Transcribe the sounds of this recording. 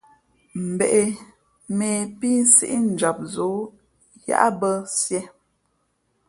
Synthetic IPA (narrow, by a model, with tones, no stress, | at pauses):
m̩˨be˨ʔe˨ | me˨pi˦n˦sḭ˦ʔi˦n̩˨d͡ʒa˨p̚zo˨˦ | ja̰˦ʔa̰˦bə˦sjɛ˦